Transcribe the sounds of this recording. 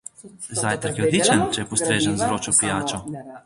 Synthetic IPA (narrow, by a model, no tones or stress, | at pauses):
zajt̪əɾkjɛod̪lit͡ʃənt͡ʃɛjɛpɔst̪ɾeːʒənzɾoːt͡ʃɔpijaːt͡ʃɔ